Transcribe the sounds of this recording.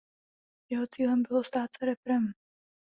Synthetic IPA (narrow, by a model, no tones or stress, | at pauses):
jɛɦo̞t͡siːlɛmbɪlost̪aːt̪t͡sɛɾɛpɾɛm